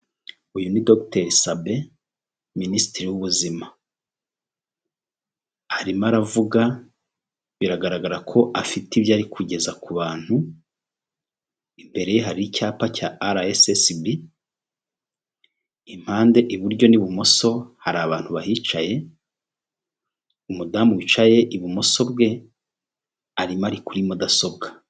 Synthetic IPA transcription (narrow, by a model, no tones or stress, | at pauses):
ujunidokteɾisabe̞ | miniːstiɾiwuβuzima | aɾimaɾavuɡa | βiɾaɡaɾaɡaɾakʰo̞ʔafitiβjaːɾikʰuɟe̞zakuβaːn̥hu | imbe̞ɾe̞jeɦaɾiicaːpacaːɾaesesibɾi | im̥haːnde̞ʔiβuɾɟo̞niβumo̞so̞haɾaːβaːn̥huβaɦit͡ʃaje̞ | umudamuwit͡ʃaje̞ʔiβumo̞so̞bɡe̞ | aɾimaɾikuɾimodaso̞b̚ɡḁ